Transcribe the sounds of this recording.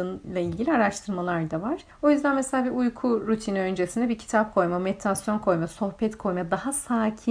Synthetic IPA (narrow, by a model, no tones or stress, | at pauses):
ɯnlˠailʲɟilʲiaɾaʃt̪ʰɯɾmalˠaɾd̪avaɾ̥ | o̞jyzd̪ænmeselʲaːbiujkʰuɾut̪ʰiniø̞nd͡ʒesind̪ɛbicʰi̥t̪ʰap̚kʰo̞jmamɛt̪ʰɾasjo̞nkʰo̞jmaso̞xpɛt̪kʰo̞jmad̪ahasaːcʰi